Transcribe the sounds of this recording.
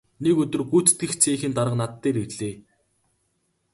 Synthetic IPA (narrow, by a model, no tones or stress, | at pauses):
nekɵt̪ɵ̆rɡuːt͡st̪ɡɘ̆xt͡sʰeːxɘ̆nt̪aɾə̆qnat̪ːeːɾiɮeː